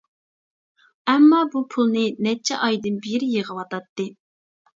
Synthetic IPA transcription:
ɛmːɑbupʰulˠnɨnɛt͡ʃʰɛʔɑjd̪ɨnbiɾɪjeʁəwɑt̪ɑt̪ːɨ

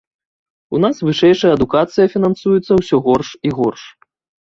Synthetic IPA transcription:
unasvɨʂɛjʂɐjɐd̪ukat̪sɨjɐfʲinɐnsujut̪sːɐwsʲɔɣɔrʂiɣɔrʂ

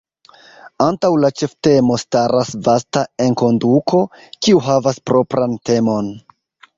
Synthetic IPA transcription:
antawlat͡ʃe̞fte̞mo̞staɾasvastae̞nko̞ndukʰo̞ | kiuɦavaspɾo̞pɾʔante̞mo̞n

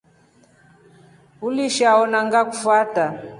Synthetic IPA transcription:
uliʃaɔnaŋɡakufwata

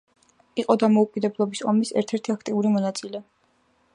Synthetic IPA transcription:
iqʼɔd̪amɔukʼid̪ɛblˠɔbisɔmisɛ̰ɾt̪ʰɛɾt̪ʰiakʰt̪ʼiuɾimɔnat̪sʼilɛ

